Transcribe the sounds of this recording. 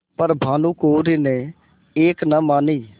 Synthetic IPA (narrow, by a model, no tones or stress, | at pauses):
pəɾbʱaːnũːkoːɾiːneː | eːknəmaːniː